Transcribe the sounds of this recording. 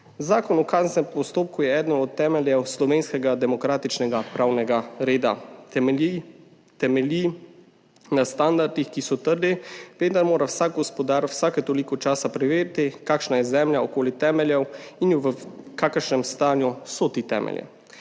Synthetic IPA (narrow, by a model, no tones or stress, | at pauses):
zaːkɔnɔkaːznɛmpɔst̪oːp̚kujɛɛːd̪nɔnɔt̪ːɛːmɛljɛwslɔʋeːnskɛɡad̪ɛmɔkɾaːt̪it͡ʃnɛɡapɾaːwnɛɡaɾeːd̪a̰ | i | t̪ɛmɛli | nast̪and̪aɾd̪ixkisɔt̪əɾd̪iʋeːnd̪aɾmoːɾawsaːk̚ɡɔspɔd̪aːɾwsaːkɛt̪oːlikɔt͡ʃaːsapɾɛʋeːɾt̪ikaːkʃnajɛzɛːmljaɔkoːlit̪ɛːmɛljɛwinjuʋəkakəɾʃnɛmst̪aːnjusɔt̪it̪ɛ̰ːmʔɛ̰ljɛ̰